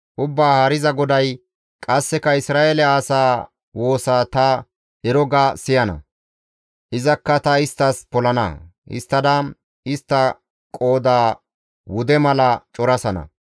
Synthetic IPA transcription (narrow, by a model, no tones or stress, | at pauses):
ʔʊbːaːhaːɾɪzɐɡɔd̪ɐj | kʼɐsːɛkɐɪsɾaːʔelɛaːsaː | wo̞ːsaːt̪ɐ | ɛɾɔɡasɪjɐnɐ̰ | ʔɪzɐkːɐt̪ɐɪst̪ːɐspɔlɐnɐ̰hɪ̰st̪ːɐd̪ɐ | ɪst̪ːɐ | kʼo̞ːd̪aː | wʊd̪ɛmɐlɐt͡ʃʼɔɾɐsɐnɐ̰